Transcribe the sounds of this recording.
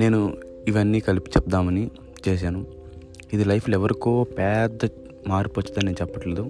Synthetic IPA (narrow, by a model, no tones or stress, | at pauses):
ne̞ːnu | iʋɐnːiːkɐlipi̥t͡ʃɛp̚d̪aːmɐni | t͡ʃeːʃ̬aːnu | id̪ilɐjpʰlɛʋɐɾikoːpɛːd̪ɐ | maːɾipot͡ʃːɐt̪aːneːnut͡ʃɛpːɐʈleːd̪u